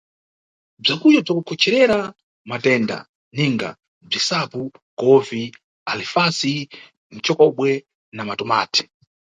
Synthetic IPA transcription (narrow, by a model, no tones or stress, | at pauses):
b͡ʐakujɔb͡ʐakukʰɔt͡ʃʰɛɾɛɾa | matɛnda̰ | niŋɡa̰ | b͡ʐisapukɔvi | alifasi | n̩t͡ʃɔkɔɓwɛ | namatɔma̰ːtʰi̥